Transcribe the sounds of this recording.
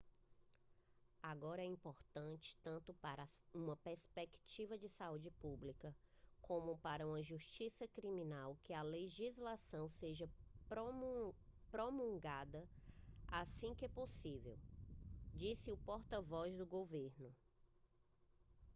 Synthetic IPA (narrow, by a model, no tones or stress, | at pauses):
aɡɔɾɐɛĩpoɾt̪ɐ̃t͡ʃɪ̥t̪ɐ̃nt̪ʊpaɾɐũmɐpeɾspekt͡ʃivɐd͡ʒɪsaud͡ʒɪpublikɐkõmʊpaɾɐũmɐʒuʃt͡ʃisɐkɾimĩnawkɪɐleʒizlasɐ̃w̃seʒɐpɾo | pɾomũɡad̪ɐasĩkɛposivew | d͡ʒisɪʊpɔɾt̪ɐvɔzd̪ʊɡoveɾnʊ